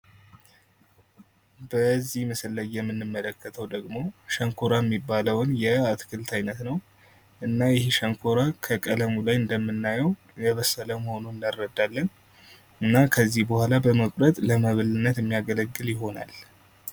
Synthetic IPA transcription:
bəzːihməsɨlːəjɛmːɨnːɨmːələkːət̪ʰəwd̪əɡmo̞ʃəŋkʰoɾajɛmːibːaləwnjɛat̪kʰɨlt̪ʰajnət̪nəw | ʔɨnːajɪhʃəŋkʰoɾakʰəkʼələmulajɨnd̪əmːɨnːajəw | jɛβəsːələməho̞nunɨndarːəd̪ːalːən | ɨnːakʰəzːihbəhʷalabəməkʼɾət̪ʼləməβɨlɨnːət̪ɨmːijaɡələɡːɨljɪɦo̞na̰l

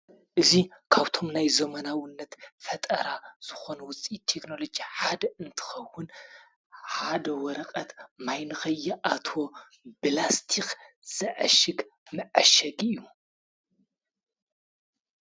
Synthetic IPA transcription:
ʔɨzikʰaβt̪ʰo̞mnajzɐmɐnawɨnːɐt̪fɐt̪ʼɐ̰ɾaz̥ɨxo̞nuwʊt͡sʼit̪ʰe̞kno̞lo̞d͡ʒiħad̪ɐɨnt̪ʰɨ̥xɐwːʊn | ħad̪ɐwɔɾɐkʼɐt̪majnɨxɐjːɐʔat̪ʰo̞ | bɨlast̪ʰik | z̥ɨʕa̰ʃɨɡmɨʕaʃɐɡɨjːu

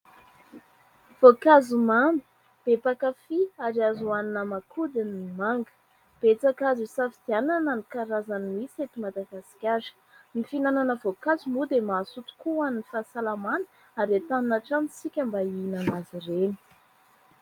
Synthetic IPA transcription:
v̥okazumambi̥ | b̥epakafiaɾiazuaninəmakʰud̪aniimaŋɡə̥ | b̥et͡sakazusafid̪ianananikaɾazanimiset̪imad̪aɡasi̥kʲaɾə̥ | mifinananəvokazumud̪emasut̪u̥kuannifasalamanə̥ | aɾet̪aninaʈ͡ʂamit͡sikʲambainanazireni̥

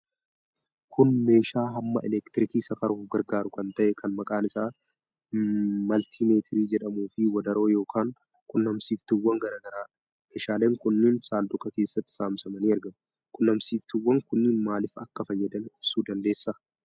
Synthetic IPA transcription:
kʰʊnme̞ːʃaːɦɐmːɐ̰ʔɛlɛkt̪ɪɾɪkiːsɐfɐɾuːfɡɐɾɡaːɾʊkɐnt̪ɐʔɛkʰɐnmɐkʼaːnɪsaː | mɐlt̪ʰiːme̞ːt̪ʰɪɾiːd͡ʒɛᶑɐmuːfɪwɐd̪ɐɾo̞ːjo̞ːkʰaːŋ | kʊnːɐmsiːft̪ʊwːɐŋɡɐɾaːɡɐɾaːɐ | meːʃaːleːŋkʊnːɪnsaːld̪ʊkʼɐke̞ːsːɐt̪ːɪ̥saːmsɐmɐniːɐɾɡɐm | kʊnːɐmsiːft̪ɪwːɐŋkʊnːɪnmaːlɪfɐkːɐfɐjːɐd̪ɐnɪʊbsuːd̪ɐnd̪e̞ːsːɐ

